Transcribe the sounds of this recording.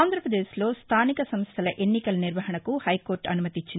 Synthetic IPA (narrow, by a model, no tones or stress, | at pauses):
nd̪ʱɾɐpɾɐd̪eːʃlo̞ːst̪ʰaːnikɐsɐmst̪ʰɐlɐʔe̞nːikɐlɐniɾʋɐɦɐɳɐkuhɐjkoːɾʈɐnumɐt̪it͡ʃːin